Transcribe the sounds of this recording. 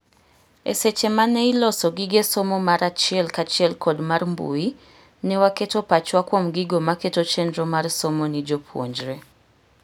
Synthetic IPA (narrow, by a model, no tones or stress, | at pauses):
ḛset͡ʃemanɛilɔsɔɡiɡesomomaɾat͡ʃiɛlkat͡ʃɪɛlkʰɔdmarmbṵi | nɛwaketopat͡ʃwakwomɡiɡomaketot͡ʃɛndɾɔmarsomonɪd͡ʒopʰwo̰ɲd͡ʒɾɛ